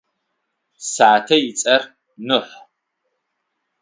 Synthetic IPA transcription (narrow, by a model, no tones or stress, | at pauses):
saːtʰɐjɪt͡sʼɐr | nɨħʷ